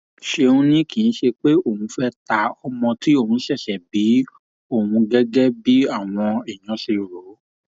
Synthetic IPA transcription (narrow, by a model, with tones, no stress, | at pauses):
ʃe˧ũ˧nĩ˦kĩ˨ñ̩˨˦ʃe˧k͡pe˦o˦˨hũ˧fɛ˦ta˨˦ɔ˧mɔ̃˧ti˦o˦˨ũ˧˦ʃɛ˦˨ʃɛ˨bi˨˦ | o˦˨ũ˧ɡɛ˦ɡɛ˦bi˨˦a˦˨w̃ɔ̃˧i˨j̃ɔ̃˨˧˦ʃe˧ɾo˨˦